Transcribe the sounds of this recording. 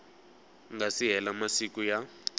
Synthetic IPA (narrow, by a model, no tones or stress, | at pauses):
ŋɡasiɦɛlamasik̬uja